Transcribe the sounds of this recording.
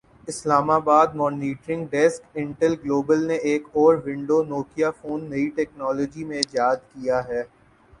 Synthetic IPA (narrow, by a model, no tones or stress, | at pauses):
ɪslaːmaːbaːd̪̚mɔːniːʈɾɪ̃ŋɡɖɛskɪ̃ɳʈəlɡloːbəlneʔeːkɔːɾʋɪ̃ɳɖonoːkijafoːnːɐiʈɛːknɔːlɔːd͡ʒimẽd͡ʒjaːd̪kijaɦɛː